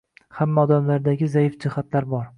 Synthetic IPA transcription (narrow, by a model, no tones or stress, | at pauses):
hamːaɒd̪amlaɾd̪aɡʲɪzajɪfd͡ʒɪhat̪laɾbɒɾ